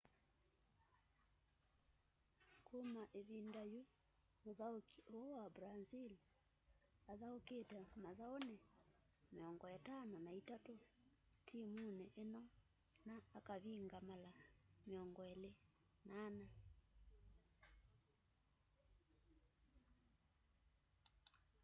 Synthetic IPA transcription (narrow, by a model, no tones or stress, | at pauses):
komaʔeβindaju | moðaokiʔowabɾazil | aðaoketɛmaðaonɛ | meɔŋɡɔjatananaitato | tʰimunɛʔenɔ | naːkaβiŋɡamalameɔŋɡɔele | nana